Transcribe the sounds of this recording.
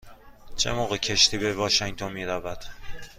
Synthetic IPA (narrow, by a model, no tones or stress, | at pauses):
t͡ʃʰe̞̰moːɣecʰe̞ʃt̪ʰiːbe̞vɒːʃeŋt̪ʰonmiːɾævæd̪̥